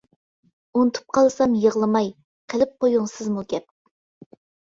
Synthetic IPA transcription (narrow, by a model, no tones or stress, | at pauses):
unɨt̪ʰu̥p̚qʰɑlˠsɑmjəʁlˠɨmɑj | qʰəlɪp̚qʰojuŋsɨzmuɡʲɛp̚